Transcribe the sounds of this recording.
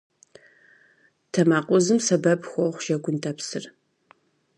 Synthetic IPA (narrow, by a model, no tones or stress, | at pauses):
tʰɐmaːqʷʼɔzɨmsɐbɐbxʷɔχʷʒɐɡʷʊntʼʰɐpsɨr